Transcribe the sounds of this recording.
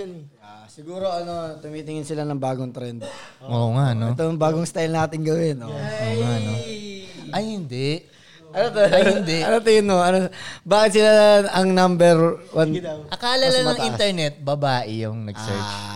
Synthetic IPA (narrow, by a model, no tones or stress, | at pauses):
asɪɡuːɾo̞ʔɐno̞t̪ʊmiːt̪ɪŋɪnsɪlanɐŋbaːɡoŋt̪ɾɛnd̪̚oːŋaʔnoɛt̪ojŋbaːɡoŋst̪ajlnaːt̪ɪŋɡɐwɛnʔooːŋano | ʔɐjhɪnd̪ɛʔ | ʔɐnot̪oɪnd̪ɛʔɐnot̪ɪɡɪnmoɐnobaːkɪt̪̚sɪlaɐŋnambɛɾwanʔɐkaːlɐlɐnmɐŋĩnt̪ɛɹnɛt̪̚bɐbaːʔɪjʊŋnɐɡ̥sɛ̰ɹt͡ʃ